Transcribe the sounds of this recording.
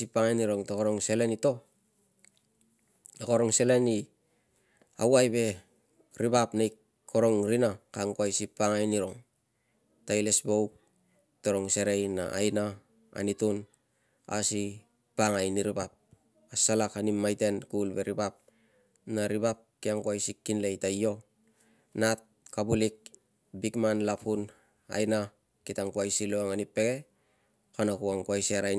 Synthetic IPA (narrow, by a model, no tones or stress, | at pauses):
ipːaŋajniɾo̞ŋtokoɾoŋse̞le̞nito̞ | tokoɾoŋse̞le̞ni | a̰wajbe̞ | ɾibapnaj | kʰo̞ɾo̞ŋɾinakaŋkoajsipːaŋajniɾo̞ŋ | tajle̞sbo̞wk̚ | toɾo̞ŋse̞ɾejna̰a̰jna | a̰nitun | a̰si | paŋajniɾibap̚ | asalakhanimːajte̞nkulbe̞ɾibap̚ | naɾibap̚kiaŋkuajsikːinle̞jtajo̞ | nat̚kabulik̚ | bikmanlapʰhun | a̰jna | kitaŋkuajsiloaŋanipːe̞ɡe̞ | kanakuaŋkuajseɾaj